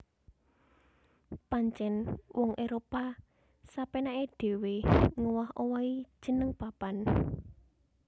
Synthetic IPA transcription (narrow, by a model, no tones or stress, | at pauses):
paɲt͡ʃɛnwʔɔŋʔeɾopa | sapenaed̥e̤weŋuwahowai̥ʒ̥ə̤nəŋpapan